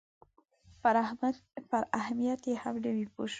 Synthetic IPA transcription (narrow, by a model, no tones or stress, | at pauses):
faɾafaɾahmijat̪jehamɖawipoʃ